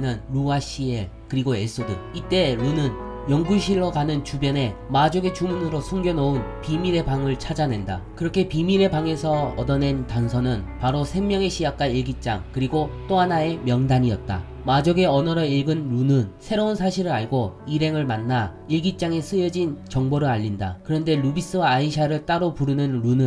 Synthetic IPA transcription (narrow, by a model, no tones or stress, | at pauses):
nɯnɾuaɕ͈ʰie | kɯɾiɡoes͈odɯit͈e̞ɾunɯn | jʌŋɡuɕʰiɭːoɡanɯnt͡ɕubjʌne̞mad͡ʑoɡe̞t͡ɕumunɯɾosʰuŋɡjʌnounpimiɾe̞baŋɯɭt͡ɕʰad͡ʑane̞nda̰kɯɾʌkʰe̞pimiɾe̞baŋe̞sʰʌʌdʌne̞ntansʰʌnɯnpaɾosʰeŋmʲjʌŋe̞ɕʰijak͈̚aiɭɡit̚t͡ɕ͈a̰ŋkɯɾiɡot͈oɦanae̞mjʌŋdaɲiʌ̰t̚t͈a̰ | mad͡ʑoɡe̞ʌnʌɾʌiɭɡɯnɾunɯnsʰe̞ɾounsʰaɕʰiɾɯɾaɭɡoiɾɦe̞ŋɯɭmanːa | iɭɡit̚t͡ɕ͈aŋe̞s͈ʰɯjʌd͡ʑint͡ɕʌŋboɾɯɭaʎːinda̰kɯɾʌnde̞ɾubis͈ɯwaːiɕʰaɾɯɭt͈aɾopuɾɯnɯnɾunɯn